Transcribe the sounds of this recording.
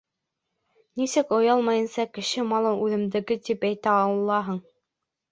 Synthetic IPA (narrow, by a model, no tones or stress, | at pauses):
nisɘkŏjɑlˠmɑjɤ̆nsɑkɘ̆ʃɘmɑlˠɤʉðɘ̆md̪ɘ̆ɡɘt̪ipæjt̪æɑw̆lˠːɑɦɤɴ